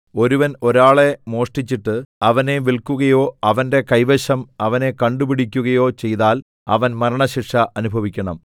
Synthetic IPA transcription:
o̞ɾuʋɐno̞ɾaːɭe̞mo̞ːʂʈit͡ɕːiʈːɨɐʋɐne̞ʋiɭkuɣɐjo̞ːɐʋɐnde̞kɐjʋeɕɐmɐʋɐne̞kɐɳɖupiɽik̬ʲːuɣɐjo̞ːt͡ɕe̞jðaːl | ɐ̰ʋɐnmɐɾɐɳɐɕikʂɐɐnubʱɐʋikʲːɐɳɐm

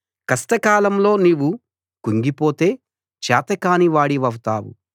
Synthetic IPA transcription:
kɐsʈ̪ɐkaːlɐmlo̞ːniwu | kuŋɡipo̞ːt̪e̞ː | t͡ʃaːt̪ɐkaːniʋaːɽiʋɐwt̪aːwṵ

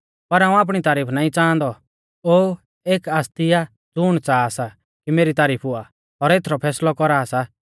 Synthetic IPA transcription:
pɐɾaːũaːp̬ɽ̃it̪aːɾiːpʰnãːĩt͡sãːnd̪ɔ | oː | eːkaːst̪ija | d͡zʊːɽ̃t͡saːsa | kimeːɾit̪aːɾiːpʰʊa | ɔɾeːt̪ʰɾɔpʰɛːslɔkɔɾaːsa

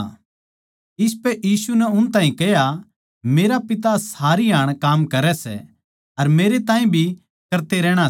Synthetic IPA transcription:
ɪspɛʔjiːsunɛʊnt̪ãːĩkɛɦja | meːɾapɪt̪̬asaːɾiɦaːɽ̃kaːmkɐɾɛsɛ̰ | ɐɾmeːɾet̪ãːɦĩbʱi | kɐɾt̪eɾɛːɽ̃a

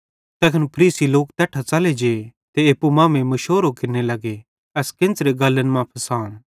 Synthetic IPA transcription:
t̪ɛːkʰənpʰɐɾiːsiloːkt̪ɛːʈʰat͡sɐled͡ʒeːt̪eeːpːumãːmẽmɐʃoːɾokɪɾnelɐɡe | ɛskɪ̃nt͡sɾeɡɐlːənmãpʰɐsaːñ

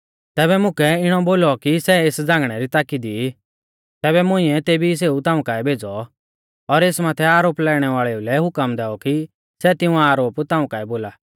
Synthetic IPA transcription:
t̪ɛːβɛmʊ̃kɛɪɽ̃ɔboːlɔkisɛeːsd͡zãːŋɡɽ̃ɛɾit̪aːkid̪i | t̪ɛːβɛmʊ̃ɪ̃ɛt̪eːbis̬eːut̪ãːũkaːɛbʱeːd͡zɔ | ɔɾeːsmaːt̪ʰɛaːɾoːplɛːɽ̃ɛʋaːɭɛulɛɦʊkəmd̪ɛːɔki | sɛt̪ɪ̃ũaːɾoːpt̪ãːũkaːɛboːlaː

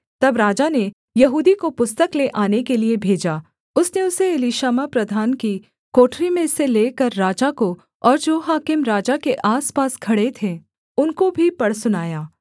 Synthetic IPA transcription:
t̪ɐbɾaːd͡ʒane | jɐɦuːd̪ikopʊst̪əkleʔaːnekeliebʱeːd͡ʒaː | ʊsneʊseɪliʃaːmapɾɐd̪ʱaːnki | koːʈɾimẽseleːkɐɾːaːd͡ʒako | ɔːɾd͡ʒoːɦaːkɪmɾaːd͡ʒakeʔaːspaːskʰɐɽet̪ʰẽ | ʊnkobʱipɐɽsʊnaːjaː

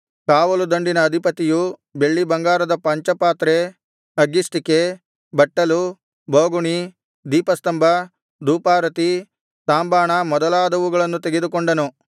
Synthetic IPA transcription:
kaːʋɐlud̪ɐɳɖinɐːd̪ʱipɐt̪ijube̞ɭːibɐŋɡaːɾɐd̪ɐpɐɲt͡ʃɐpaːt̪ɾe | ɐɡːist̪ike | bɐʈːɐlu | bʱoːɡuɳi | d̪iːpɐst̪ɐmbʱɐ | d̪uːpaːɾɐt̪i | saːmbaːɳɐmɔd̪ɐlaːd̪ɐʋuɡɐɭɐnːut̪eɡed̪ukoɳɖɐnu

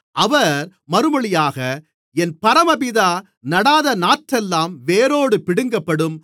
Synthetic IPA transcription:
ʔɐʋɐɾ | mɐɾɯmɐɭɪjaːɣɐ | ɛnpɐɾɐmɐpɪðaː | nɐɽaːðɐnaːʈɾɛlːaːmʋeːɾoːɽɯpɪɽɯŋɡɐpːɐɽɯm

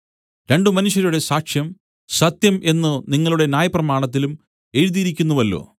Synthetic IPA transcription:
ɾe̞ɳɖɨmɐnuʂjɐɾuɽe̞saːkʂjɐm | sɐt̪jɐmʔe̞nːɨniŋːɐɭuɽe̞njaːjɐprɐmaːɳɐt̪̬ːilum | e̞ɻuðijiɾikʲːunːuʋɐlːo̰ː

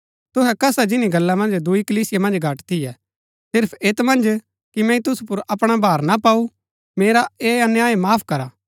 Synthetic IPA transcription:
t̪ʊɦɛkɐsad͡ʒɪniɡɐlːamɐ̃nd͡ʒd̪ʊikəliːsɪjamɐ̃nd͡ʒɡʱaːʈt̪ijɛ | sɪɾpʰeːt̪mɐ̃nd͡ʒ | kimɛ̃ĩt̪ʊsupʊɾɐpɽ̃abʱaːɾnapaːu | meːɾaeːɐnjaːemaːpʰkɐɾaː

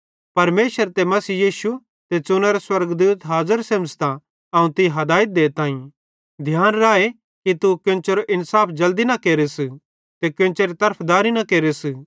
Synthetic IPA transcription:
pɐɾmeːʃəɾt̪emɐsiːjiːʃu | t̪et͡ʃʊnɐɾoswɐɾɡd̪uːt̪ɦaːzəɾsẽːmst̪ã | ɐũt̪ɪɦɐd̪aːɪt̪̚d̪eːt̪ãːĩ | d̪ʱjaːnɾaːe | kit̪ukẽːnt͡ʃeɾoʔɪnsaːpʰd͡ʒɐld̪inɐkeːɾes | t̪ekẽnt͡ʃeɾit̪ɐɾpʰd̪aːɾinɐkeːɾes

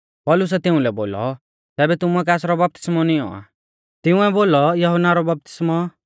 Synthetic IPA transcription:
pɔlʊs̬ɛt̪ɪ̃ũlɛbo̰ːlɔ̰ | t̪ɛːbɛt̪ʊmuɛk̬ɛːsɾɔbɐp̚t̪ɪ̥smɔniɔ̰a̰ | t̪ɪũɛboːlɔjɐɦɔnaɾɔbɐp̚t̪ɪ̥smɔ

